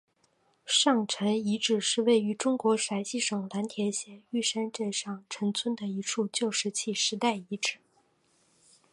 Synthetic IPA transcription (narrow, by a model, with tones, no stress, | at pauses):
ʂɑ˥˩ŋʈ͡ʂʰə˧˥ni˧˥ʈ͡ʂɻ̩˥˩ʂɻ̩˥˧we˥˩ɪy˧˥ʈ͡ʂʊ˥ŋkwɔ˧˥ʂa˨˩ɪɕi˥˩ʂɤ˨˩ŋla˧˥nt̪ʰjɛ˧˥ɕjɛ˧˥y˥˩ʂa˥nʈ͡ʂe˥˧ɪʂɑ˥˩ŋʈ͡ʂʰə˧˥ŋt͡sʰwə˥nd̪ə˨i˧˥ʈ͡ʂʰu˥˧t͡ɕjo˥˩ʊʂɻ̩˧˥t͡ɕʰi˥˩ʂɻ̩˧˥t̪a˥˩ɪi˧˥ʈ͡ʂɻ̩˥˩˦